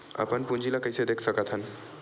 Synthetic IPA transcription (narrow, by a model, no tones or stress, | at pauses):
ə̰pənpund͡ʒʱilakəjsed̪ekʰsəkət̪ʰɦən